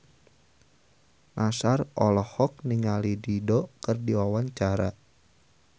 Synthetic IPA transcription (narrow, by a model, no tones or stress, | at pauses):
nʔasarɔlɔhɔk̚niŋalididɔkərdiwawaɲt͡ʃaɾa